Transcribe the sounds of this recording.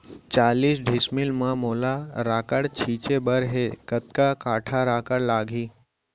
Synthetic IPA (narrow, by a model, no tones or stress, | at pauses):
t͡ʃaːliːsɖʱɪsmɪlmãmoːlaɾaːkəɽt͡ʃʰiːt͡ʃebəɾɦekət̪̚kakaːʈʰaɾaːkəɽlaːɡʱiː